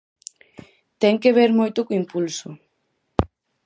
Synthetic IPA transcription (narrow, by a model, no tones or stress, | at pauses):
t̪ɛŋkeβ̞eɾmojt̪ʊkoimpulsʊ